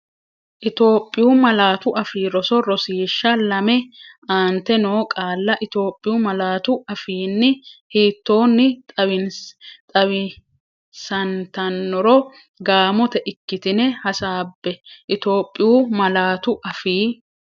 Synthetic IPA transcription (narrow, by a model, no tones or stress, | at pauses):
ʔɪt̪o̞ːpʼːɪjuːmɐlaːt̪ʊʔɐfiːɾɔsɔɾɔsiːʃːɐlɐmɛaːnt̪ɛnoːkʼaːlːɐʔɪt̪o̞ːpʼːɪjuːmɐlaːt̪ʊɐfiːnːɪhiːt̪ːo̞ːnːɪt̪ʼɐwɪnt̪ʼɐwɪ | sɐnt̪ɐnːɔɾɔ | ɡaːmɔt̪ɛʔɪkːɪt̪ɪnɛhɐsaːbːɛʔɪt̪o̞ːpʼːɪjuːmɐlaːt̪ʊʔɐfiː